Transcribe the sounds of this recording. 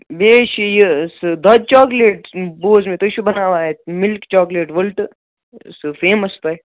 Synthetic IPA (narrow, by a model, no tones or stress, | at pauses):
beːʃijesd̪ɐt͡ʃaːkleːʈboːzmẽt̪oʃubɐnaːʋaːemɪlkt͡ʃaːkleːʈʋɐlʈ | sfeːməst̪ɐe